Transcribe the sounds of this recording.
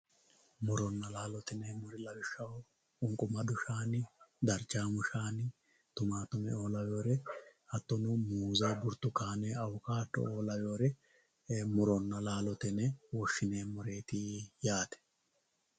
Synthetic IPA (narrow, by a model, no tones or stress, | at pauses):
mʊɾɔnːɐlaːlɔt̪ɪnɛmʊɾɪlɐwɪʃːɐw | ʊŋkʼʊmɐd̪ʊʃaːnɪd̪ɐɾt͡ʃːaːmʊʃaːnɪ | t̪ʊmaːt̪ʊmɛ̰o̞ːlɐwo̞ːɾɛɐt̪ːɔnʊmuːzɐjbʊɾt̪ːʊkaːnɛɐwʊkaːt̪ːɔ̰oːlɐwoːɾɛ | mʊɾɔnːɐlaːlɔt̪ɛnɛwɔʃːɪneːmɔɾe̞ːt̪ijaːt̪ɛ̥